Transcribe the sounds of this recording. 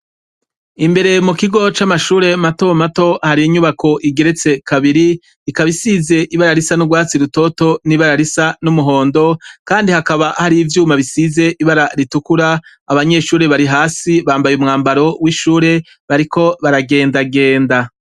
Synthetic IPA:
imbe̞ɾe̞mukiɡo̞t͡ʃamaʃuːɾe̞mato̞mato̞haɾiiɲuβakʰo̞ʔiɡe̞ɾe̞t͡se̞kʰaβiɾi | ikaβisize̞ʔiβaɾaɾisanuɡwaːt͡siɾuto̞to̞niβaɾaɾisanumuɦo̞ːndo̞kaːndihakaβahaɾiːvjuːmaβisize̞ʔiβaɾaɾitukuɾaː | βaɲe̞ʃuːɾe̞βaɾiɦaːsiβaːmbajumŋaːmbaɾo̞wiʃuːɾe̞ | βaɾikʰo̞βaɾaɡe̞ːndaɡe̞ːnda

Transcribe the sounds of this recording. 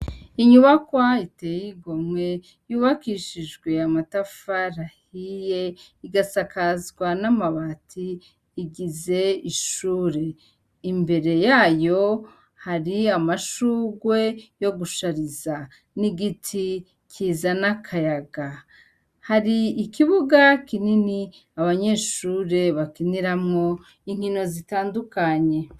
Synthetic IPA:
iɲuβakwaitejiɡomŋwe̞ | juːβakiʃiʒɡwe̞amatafaɾahije̞ | iɡasakazɡwanamaβatʰiː | ɡize̞iʃuːɾe̞ | imbe̞ɾe̞jaːjo̞ | haɾiamaʃuːɡwe̞jo̞ɡuʃaɾiza | niɡitʰi | kʰiːzanakʰajaɡa | haɾiːkiβuɡakinini | aβaɲe̞ːʃuːɾe̞βakiniɾamŋo̞ | iŋ̥hino̞zitaːndukaɲe̞

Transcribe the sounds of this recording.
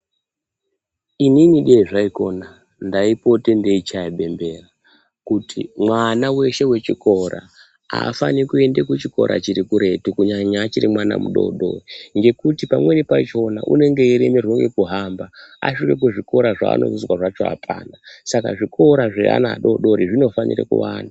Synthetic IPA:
ininiɗeiʐaiko̞̰na | ndaipo̞te̞ndeit͡ʃaiɓe̞mbe̞ra | kutʰimwanawe̞ʃe̞we̞t͡ʃiko̞ɾʔa̰ | a̰fanikue̞ndekut͡ʃiko̞̰ɾʔa̰t͡ʃiɾikuɾe̞tukuɲaɲaːt͡ʃiɾimwana̰mṵɗo̞̰ɗo̞̰ŋɡe̞kutipamwe̞nipat͡ʃo̞na̰ʔṵne̞ŋɡe̞iɾemerwoŋɡe̞kuɦambaa̰ʃike̞k̬uʐiko̞ɾaʐa̰ːno̞̰uzwaʐat͡ʃo̞̰a̰pʰa̰ːnasaka̰ʐikʰo̞ɾaʐḛa̰na̰ːɗo̞̰ɗo̞ɾiʐino̞fanḭrḛkṵwaːna

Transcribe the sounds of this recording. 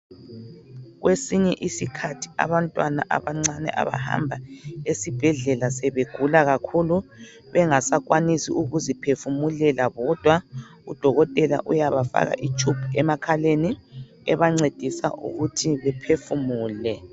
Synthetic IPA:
ɣwesiɲɛʔisikʰatʰi̥a̰βantʼwanaʔaβaŋ͡ǀanɛ̰ʔa̰βa̰ha̰mbʱaesib̥ʱɛɮɛlasɛβeɡ̥ʱulaɣakʰulu | βɛŋasaɣwanisḭʔuɣuzipʰefumulɛlaɣɔd̥ʱwa | ud̥ʱɔɣɔtʼɛla̰ʔujaβafa̰ɣa̰ʔit͡ʃʰʼupʰuɛmakʰaleni | ɛβaŋ͡ǀed̥ʱisa̰ʔṵɣutʰiβɛpʰefumuːlɛ

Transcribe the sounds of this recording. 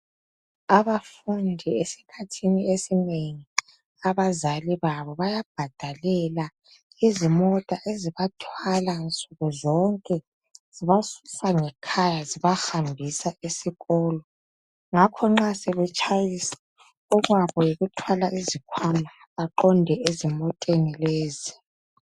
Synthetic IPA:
aβafundʱiesi̥kʰatʰiniesineŋi | aβazaliβaβɔβajab̥ʱad̥ʱalɛla | izimɔtʼaʔeziβatʰwalant͡sʼuɣuzɔŋkʼɛ | z̥iβasu̥saŋɛkʰajaziβaxambʱisaisiɣɔːlɔ | ŋakʰɔŋ͡ǁasɛβɛt͡ʃʼajisḁ | uɣwaβɔjoɣutʰwalaʔizikʰwama | aǃɔndʱɛezimɔtʼenileːzi

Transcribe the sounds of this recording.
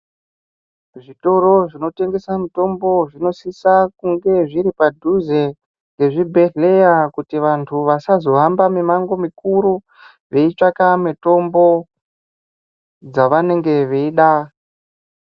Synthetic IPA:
ʐito̞ɾo̞ʐino̞te̞ŋɡe̞samito̞mbo̞ʐino̞sisakuŋɡe̞ʐiɾipadʱuze̞ | ŋɡe̞ʐibʱe̞ɮe̞jakutiʋantʰuʋasazo̞ɦambamimaŋɡo̞mikuɾu | ʋe̞it͡ʂakameto̞mbo̞ | d͡zaʋane̞ŋɡe̞ʋeiɗa

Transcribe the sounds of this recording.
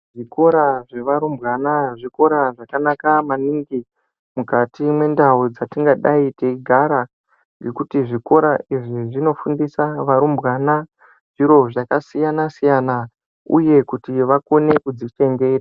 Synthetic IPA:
ʐiko̞ɾaʐeʋaɾumbɣanaʐiko̞ɾaʐakanakamaniːŋɡi | mukatimwe̞ndaud͡zatiŋɡaɗaiteiɡʱaɾa | ŋɡe̞kutiʐiko̞ɾaiʐiʐino̞fundisaʋaɾumbɣana | ʐ̥iɾo̞ʐakasijanasijana | ṵje̞kutiʋakone̞kud͡zit͡ʃe̞ŋɡeːra

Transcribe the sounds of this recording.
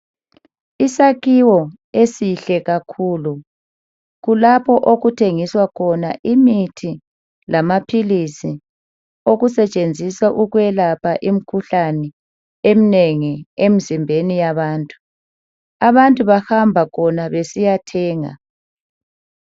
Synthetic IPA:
isakiwɔ | esiɬɛɣakʰuːlu | ɣulapʰɔʔoɣutʰeŋiswakʰɔnaʔimitʰi | lamapʰilisi | oɣusɛt͡ʃʼend͡zʱiswaʔuɣwɛlapʰaʔim̩kʰuɬanɛ | em̩neŋiem̩zimbʱenijaβaːntʼu | aβantʼuβahambʱakʰɔnaβesijatʰɛːŋa̰

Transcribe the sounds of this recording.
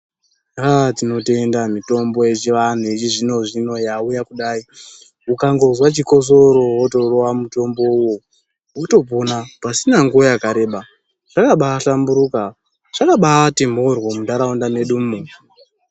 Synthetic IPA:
atino̞tendamito̞mbo̞jet͡ʃiʋan̤uit͡ʃiʐino̞ʐino̞jaujakuɗaːi | ukaŋɡo̞zwat͡ʃiko̞z̬o̞ɾo̞woto̞ro̞wamuto̞mbo̞uwo̞ | uto̞ponapasinaŋɡuojakaɾe̞ːɓa | ʐ̥akaɓaːɬambuɾuka | ʐ̥akaɓatimorwomundaɾaundame̞ɗummu

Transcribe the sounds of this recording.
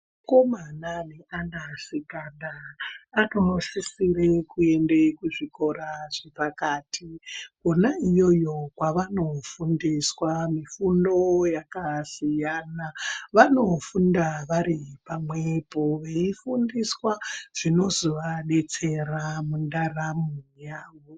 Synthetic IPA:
ko̞mananeʔanasiɡandaano̞sisirekue̞nde̞kuʐiko̞ɾaʐepakaːtʰikonaijo̞jo̞kwaʋano̞fundiswamifundo̞jakasijaːnaʋano̞fundaʋaɾipamwepoʋe̞ifundiswaʐ̥ino̞zoʋaɗe̞t͡se̞ramundaramujaːʋo̞

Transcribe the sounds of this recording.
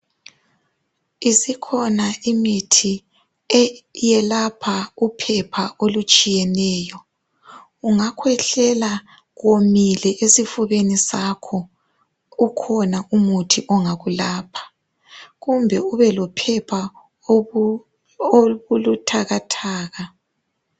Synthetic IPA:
isikʰɔnaimitʰi | ɛjɛlapʰaupʰɛpʰaʔolut͡ʃʼijɛnɛːjɔ | uŋakʰwɛɬɛla | ɣomilɛʔesifuɣenisakʰɔ | ukʰɔnaʔumutʰiʔɔŋaɣulaːpʰḁ | ɣumbʱɛuβɛlɔpʰɛpʰa | oβulutʰaɣatʰaːɣa

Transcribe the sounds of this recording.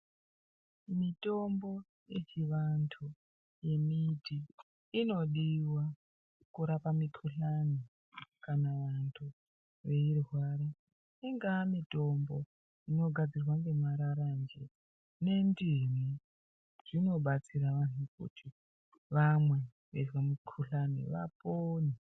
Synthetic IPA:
mito̞mbo̞ | jet͡ʃiʋantʰu | je̞miti | ino̞ɗiwa | kuɾapamikʰuɬani | kanaʋantʰu | ʋe̞irwaːɾa | iŋɡamito̞mbo̞̰ | ino̞ɡʱad͡zirwaŋɡe̞maɾaɾand͡ʒḛ | ne̞ndimi | ʐ̥ino̞ɓat͡siɾaʋanukṵtʰi | ʋamwe̞ | ʋezwamikʰuɬanḭʋa̰poni

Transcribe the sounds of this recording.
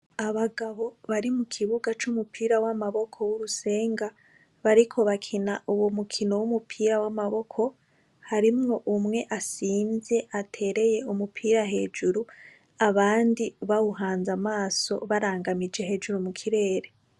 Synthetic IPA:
aβaɡaβo̞βaɾimukʰiβuɡat͡ʃumupʰiːɾawamaβo̞kʰo̞wuɾuse̞ːŋɡa | βaɾikʰo̞βakʰinaʔuwomukʰino̞wumupʰiːɾawamaβo̞kʰo̞ | haɾimŋo̞ʔumŋe̞ʔasiːnze̞ʔatʰe̞ɾe̞je̞umupʰiːɾaɦe̞ːd͡ʒuɾu | aβaːndiβawuɦaːnzamaːso̞̰βaɾaːŋɡamid͡ʒe̞ɦe̞ːd͡ʒuɾumukʰiɾe̞ːɾe̞

